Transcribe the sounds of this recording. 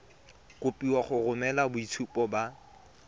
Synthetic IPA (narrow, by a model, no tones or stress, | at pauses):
kʊpiwaχʊrʊmɛlabʊit͡sʰupʼɔba